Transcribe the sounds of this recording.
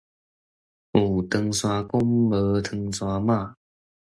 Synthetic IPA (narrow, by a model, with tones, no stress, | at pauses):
ʔu˨˩t̪ə˧ŋswa˧kʊ˦mə˨˦t̪ʰə˧ŋswa˧mã˥˧˨